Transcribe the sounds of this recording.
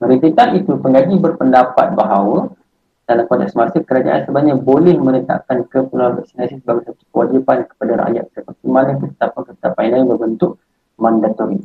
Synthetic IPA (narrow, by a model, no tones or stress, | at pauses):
məɾit̪it̪anit̪upəŋɡaɡibərpəndapa̰t̪̚baɦawə | d̥alamkɔnt̪ɛksmarsəkəɾad͡ʒa̰ʔa̰nsəbaɲãbolɛhmənət̪a̰ʔkankəpənal̰ksinasisəbaɡajsat̪u̥kəwa̰d͡ʒipankə̥padaɾa̰ʔja̰t̪̚səpakimanãkət̪ə̥t̪apakət̪ə̥t̪apaanabərbənt̪ʊʔ̚ | mandat̪ɔɾi